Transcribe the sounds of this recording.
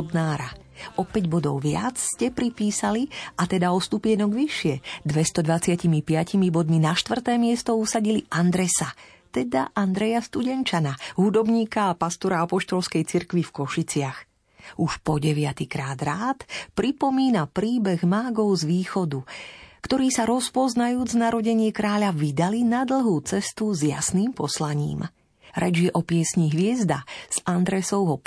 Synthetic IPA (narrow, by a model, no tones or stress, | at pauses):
d̪naːɾa | ʔɔpɛɟbɔd̪ɔʊʋɪa̰t͡sscɛpɾipiːsaliʔat̪ɛd̪aɔst̪upɪɛnɔɡʋiʃɪɛd̪ʋɛst̪ɔd̪ʋat͡sɪacimipɪacimibɔd̪minaʃt̪ʋvr̩t̪ɛːmɪɛst̪ɔusaɟiliʔand̪ɾɛsa | t̪ɛd̪aʔand̪ɾɛjast̪uɟɛnt͡ʃanaɦud̪ɔbɲiːkaːpast̪ɔɾaapɔʃt̪ɔlskɛjt͡siɾkʋifkɔʃit͡sɪax | uʃpɔɟɛʋɪat̪ikɾaːd̪ɾaːt̪pɾipɔmiːnapɾiːbɛɣmaːɡɔʊzʋiːxɔd̪ukt̪ɔɾiːsaɾɔspɔznajuːd͡znaɾɔɟɛɲɪɛkɾaːʎaʋid̪alinad̪l̩ˠɦuːt͡sɛst̪uzjasniːmpɔslaɲḭːm | ɾɛd͡ʒjɛʔɔpɪɛsɲiɦʋɪɛzd̪az̥and̪ɾɛsɔʊɦɔ